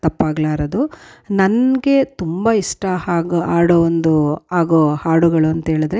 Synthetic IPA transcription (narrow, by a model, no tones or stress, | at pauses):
t̪ɐpːaːɡlaːɾɐd̪unɐnɡe̞t̪umbɐiʂʈɐhaːɡaːɽoːond̪uaːɡoːhaːɽuɡɐɭuɐnt̪ɐeːɭid̪ɾe̞